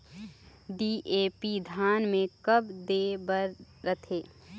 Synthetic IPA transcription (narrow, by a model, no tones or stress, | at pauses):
ɖiʔeːpid̪ʱaːnmẽkəbd̪ebəɾ | ɾət̪ʰeː